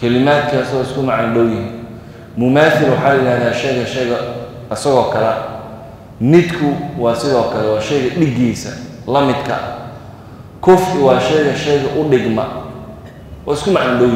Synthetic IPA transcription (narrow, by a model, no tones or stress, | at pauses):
kʰɐlɪmaːd̪̚kʰɐɐsɐɣɔːɪskʰʊmɑʕanɖɔwjɪɦiːn | mʊmaːθɪlwɑħɑːlɐjɪɾaːhðaːʃɛjɣɐʃɛjɣɐ | ɐsɐɣɔːkʰɐlɛ̰ | mɪd̪kʰʊwɑːsɪðɔːkʰɐlɛwɑːʃɛjɣɐɖɪɡiːsɐ̰ | lɐmɪd̪kʰɐ̰ʔɐ̰ | kʰɔfwɑːʃɛjɣɐʃɛjɣɐʔʊɖɪɡmɐ | ɔːɪskʰʊmɑʕanɖɔw